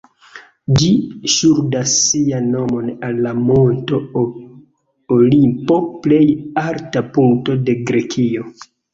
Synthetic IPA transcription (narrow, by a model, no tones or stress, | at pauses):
d͡ʒiʃuɾdasːianːo̞mo̞nalːamo̞nto̞ | olimpo̞ple̞jaɾtapuŋto̞de̞ɡɾe̞kʰio̞